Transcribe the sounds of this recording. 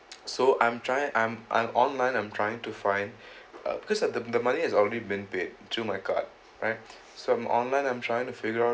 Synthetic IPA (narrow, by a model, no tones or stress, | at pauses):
soʔãɪ̃mtʰɹajɪ̃ŋʔãɪ̃mʔã̰mʔɔ̃nlãɪ̃nãɪ̃mtʰɹaɪjɪ̃ŋtufãɪ̃nd̰ | bikɔsdəd̪əmanihɛzɔlɹedibĩnped̚tʰɹumaɪkʰa̰d̚ | ɹa̰ɪt̚ | soãmʔɔ̰̃nlãɪ̃nãɪ̃mtʰɹajɪ̃ŋtufɪɡəaʊ